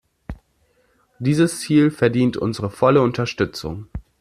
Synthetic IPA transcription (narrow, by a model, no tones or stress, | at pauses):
d̥iːzəst͡siːlfɛɐdiːntʔʊ̰nzəʁəfɔləʊntɐʃtʏt͡sʊ̰ŋ